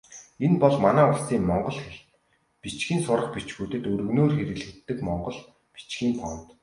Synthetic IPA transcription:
enpɔɮmanæːʊɮsiːmmɔɴɢɞ̆ɮxeɮt̪ | pit͡ɕɡʲiːnsʊɾə̆χpit͡ɕɡujt̪ɘ̆t̪ɵɾɵ̆ɣnoːrxeɾɘ̆ɣɮɘ̆kt̪ːɘ̆kmɔɴɢɞ̆ɮ | pi̥t͡ɕɡiːmpʰɔnt̪

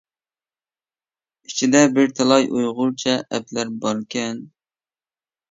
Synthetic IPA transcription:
it͡ʃʰid̪ɛbɪɾt̪ʰelˠɑjʔujʁʊlˠt͡ʃʰɛʔɛplæɾbɑɾkʲʰɛn

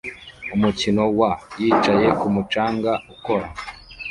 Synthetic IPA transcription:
umucino̞wajiːt͡ʃaje̞kumut͡ʃaːŋɡauko̞ɾa̰

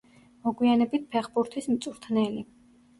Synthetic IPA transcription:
mɔɡwianɛbit̪̚pʰɛχbuɾt̪ʰismt̪sʼuɾt̪ʰnɛli

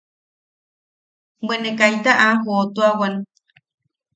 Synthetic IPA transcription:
benekajt̪aʔaɦot̪uawan

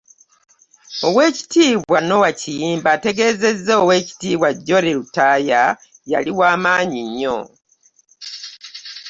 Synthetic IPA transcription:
owe̞ːci̥tiːβwano̞wacijiːmbate̞ɡe̞ːze̞zːeːwe̞ːci̥tiːβwaɟːo̞ɾeɾutaːja | ja̰liwaːmaːɲiɲːo̰

